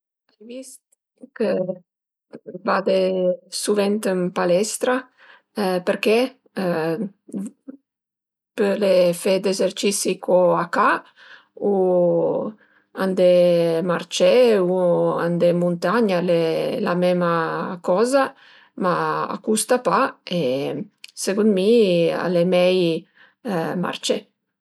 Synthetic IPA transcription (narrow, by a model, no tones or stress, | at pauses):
ajvist̪ | kə | vad̪esuvɛnt̪əmpalɛst̪ɾa | pəɾke | pəlefed̪ezeɾt͡ʃisikʰɔaka | u | and̪emart͡ʃeua̰nd̪emunt̪aɲalela̰mɛmakɔza | maa̰kust̪apae | seɡunmia̰lemɛj | ma̰rt͡ʃe